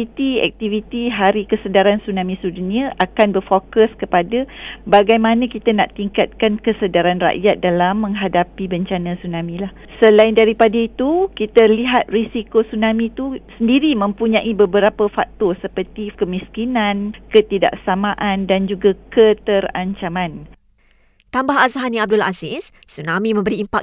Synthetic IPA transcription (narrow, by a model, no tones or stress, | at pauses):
it̪iɛ̰k̚t̪ivit̪iɦaɾikəsədaɾansunãmĩsuduniaʔakanbərfokəskəpadabaɡajmanãkit̪anaʔt̪iŋkat̪̚kankəsədaɾanra̰ʔjat̪̚dalamːə̃ŋɦadapibəɲt͡ʃanãsunãmĩlah | səlaɪndaɾipadait̪ukit̪əliɦat̪̚risikosunãmĩt̪usəndiɾimə̃mpuɲãʔibəbəɾapəfa̰k̚t̪ɔsəpərt̪ikəmiskinãnkət̪ida̰ʔsamaʔandand͡ʒuɡakət̪əra̰ɲt͡ʃamãn | t̪ambahazaɦaniab̚dula̰zɪssunamĩmə̃mbəɾiːmpa̰k